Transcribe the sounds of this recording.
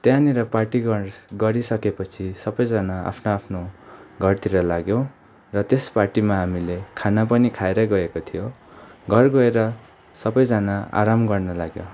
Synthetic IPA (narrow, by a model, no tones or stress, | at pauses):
t̪jãneɾʌparʈiɡʌrɡʌɾisʌkepʌt͡sʰisʌbʌjd͡zanaa̰pʰnoapʰnoɡʱʌrt̪iɾʌlaɡjõ | rʌt̪esparʈimaɦamilekʰanapʌnikʰaeɾʌɡʌekot̪ʰijoɡʱʌrɡʌeɾʌ | sʌbʌjd͡zanaa̰ɾamɡʌrnʌlaɡjo̰